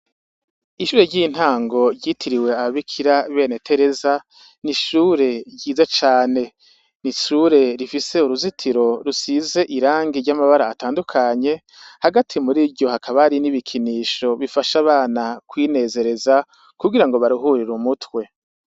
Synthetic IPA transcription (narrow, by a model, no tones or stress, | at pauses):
iʃuːɾeɾɟin̥haːŋɡo̞ɾɟiːtʰiɾiwe̞aβaβikʰiɾaβe̞ːne̞tʰe̞ɾe̞za | niʃuːɾe̞ɟiːzat͡ʃaːne̞ | niʃuːɾe̞ɾifise̞uɾuzitʰiɾo̞ɾusize̞ʔiɾaːŋɡiɾɟamaβaɾaːtaːndukʰaɲe̞ | haɡatʰimuɾibɟo̞hakʰaβaɾiniβikʰiniːʃo̞βifaʃaβaːnakwiːne̞ːze̞ɾe̞za | kuɡiɾaŋɡo̞βaɾuɦuɾiɾumutwe̞